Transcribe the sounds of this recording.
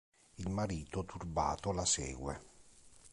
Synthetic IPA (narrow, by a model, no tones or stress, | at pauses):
ilmaɾiːt̪ot̪ʰurba̰ːt̪olasɛ̰ːɡwḛ